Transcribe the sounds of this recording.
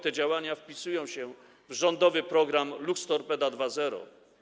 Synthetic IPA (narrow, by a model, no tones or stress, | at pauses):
t̪ɛd͡ʑawaɲafpʲisujɔ̃w̃ɕɛ | vʐɔnd̪ɔvɘpɾɔɡɾamlukst̪ɔɾpɛd̪ad̪vazɛɾɔ̰